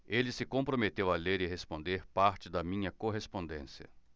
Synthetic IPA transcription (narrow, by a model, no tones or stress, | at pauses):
elɪsɪkõpɾomet̪ewɐleɾɪɦespõnd̪eɾpaɾt͡ʃɪd̪ɐmĩɲɐkoɦespõnd̪ḛ̃siɐ̰